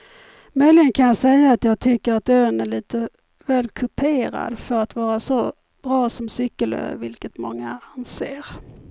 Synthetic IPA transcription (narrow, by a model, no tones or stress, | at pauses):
mœjlɪɡənkʰanjɑːsɛjːaːt̪jɑːɡ̚t̪ʰʏkːəɾat̪øːnæɭiːt̪ə | vɛːlkʰɵpʰeːɾa̰d̪fœɾat̪vɑːɾasɔ | b̥ɾɑːsɔmsʏkːəlø̰vɪlkət̪mɔŋːaanseːɾ